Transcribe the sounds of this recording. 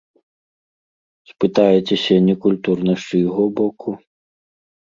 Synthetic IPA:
spɨt̪ajɛt͡sʲɛsʲɐnʲɛkulʲt̪urnɐʂujɣɔbɔkʰu

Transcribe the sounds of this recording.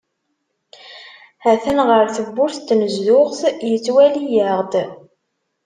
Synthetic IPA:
hæθænʁəɾθəbːʊɾθt̪ːməzðʊʁθjət͡sːwælijəʁd̪

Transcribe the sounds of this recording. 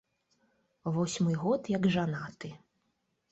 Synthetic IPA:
vɔsʲmɨɣɔt̪jɐɡʐanat̪ɨ

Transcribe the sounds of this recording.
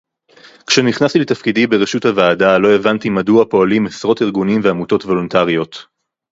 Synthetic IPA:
kʃeniχnast̪iletafkidibeʁeʃuthavaːdalo̞e̞vantimaduapo̞alimesʁo̞tiʁɡunimveamuto̞tvo̞lontaʁio̞t

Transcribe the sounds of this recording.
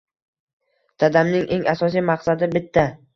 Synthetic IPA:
d̪̥ʰad̪amnɪŋʔe̞ŋʔasɒs̬ijmaqsad̪ɪbɪt̪ʰːa

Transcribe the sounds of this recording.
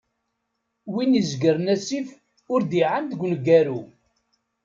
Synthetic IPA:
winizɡəɾnæsif | ʊɾd̪iʕand̪əɡʷləɡæɾu

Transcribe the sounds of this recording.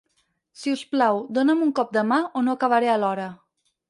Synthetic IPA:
siusplawd̪onəmuŋkɔp̚d̪əmaʔonoəkəβ̞əɾeəlɔɾə

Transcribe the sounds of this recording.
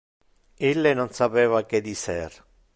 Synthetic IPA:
elːenonsapeːvaked̪isɛr

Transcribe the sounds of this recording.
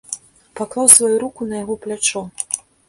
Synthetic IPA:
paklˠawsvajuɾukunɐjaɣɔplʲat͡ʂɔ

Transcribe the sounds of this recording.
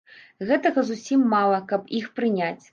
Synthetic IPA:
ɣɛt̪ɐɣɐzusʲimːalˠɐkɐpixpɾɨnʲat͡sʲ

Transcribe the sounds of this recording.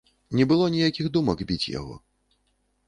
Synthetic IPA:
nʲɛbɨlˠɔnʲijakʲiɣd̪umɐɡbʲit͡sʲja̰ɣɔ̰

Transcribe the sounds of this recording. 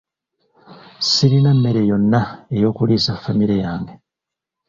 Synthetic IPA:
siɾinamːe̞ɾejo̞nːaejo̞ːkuliːsafːamiɾejaːŋɡe

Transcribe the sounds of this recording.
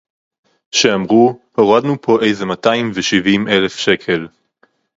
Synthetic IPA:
ʃeamʁuhoʁad̪nupʰo̞ʔe̞jzemataimveʃivimʔe̞le̞fʃe̞kʰe̞l

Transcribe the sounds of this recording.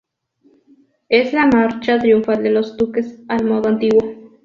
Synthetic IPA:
eslamaɾt͡ʃat̪ɾjuɱfald̪elo̞zd̪ukesalmoðoant̪iɣwo̞

